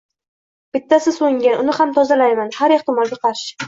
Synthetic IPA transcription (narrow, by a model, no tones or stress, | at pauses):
b̥ɪt̪ːasɪsoŋʲaʔʊnɪhamt̪ʰɒzalajmanhaɾeχt̪ʰɪmɒlɡʲaqʰɑɾʃɪ̥